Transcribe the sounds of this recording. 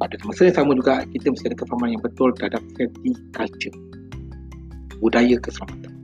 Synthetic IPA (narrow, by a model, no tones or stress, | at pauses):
badusəməsəiŋsaməd͡ʒuɡakit̪əməsadəkəfamanjaŋbət̪ʊlt̪əɦadap̚sɛt̪ikat͡ʃə | budajəkəsəlamat̪an